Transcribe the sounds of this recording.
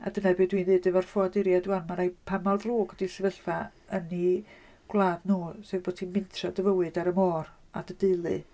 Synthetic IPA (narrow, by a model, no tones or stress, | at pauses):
a̰dənabiːdwinðɨːdəvarfɔadɪɾjaduwanmaɾajpʰamalˠðruːɡɔdisəvəɬfa | əni | ɡ̥lˠaːdnuːsevboːd̥̚tʰinmɪntʰradəvəwɨdaɾəmɔːr | a̰dədɪlˠɨ